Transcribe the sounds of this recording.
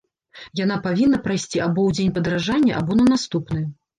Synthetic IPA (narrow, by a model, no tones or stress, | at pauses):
jan̪apavʲinːɐpɾajsʲt͡sʲiabɔwd͡zʲenʲpɐd̪ɾaʐanʲːɐʔabɔnɐnast̪upnɨj